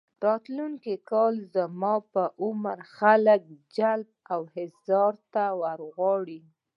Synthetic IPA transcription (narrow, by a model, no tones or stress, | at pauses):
ɾɑt̪luŋkikɑlzəmɑpəʔʊməɾxalək̚d͡ʒalb̚awhɪzɑɾt̪awəɾɣwɑɽi